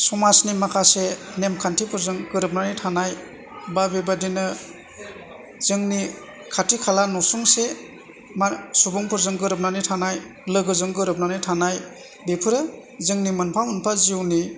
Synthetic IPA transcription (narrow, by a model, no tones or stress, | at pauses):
sɔmasnimakʰasenemkʰantʰipʰɯɾzɯŋɡɯɾɯp̚nanitʰanaj | babebadinɯ | z̥ɯŋni | kʰatʰikʰalanɔsuŋse | masubuŋpʰɯɾzɯŋɡɯɾɯp̚nanitʰanajlɯɡɯzɯŋɡɯɾɯp̚nanitʰanaj | bepʰɯɾɯzɯŋnimɯnpʰamɯnpʰaziwni